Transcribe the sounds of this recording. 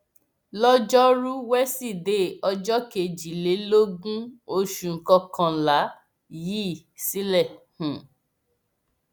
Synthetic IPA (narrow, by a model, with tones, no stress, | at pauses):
lɔ˦d͡ʒɔ˦ɾu˦wɛ˦si˦˨de˦˨ɔ˧d͡ʒɔ˦ke˧˨d͡ʒi˨˦le˨˦lo˦ɡũ˦o˧ʃu˨˧ŋ̩˨kɔ˧kʰã˧la˨˦ | jiː˦˨si˦lɛ˦˨hũ˨